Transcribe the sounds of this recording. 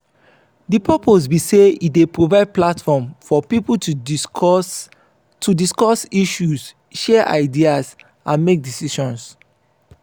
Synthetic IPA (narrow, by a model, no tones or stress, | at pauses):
dipʰɛpos̬biseidepɹovaɪd̚platfɔmfɔpiputu | tʰudiskɔsiʃus | ʃɛʔa̰ɪdias | ʔãnmek̚disiʃɔ̃ns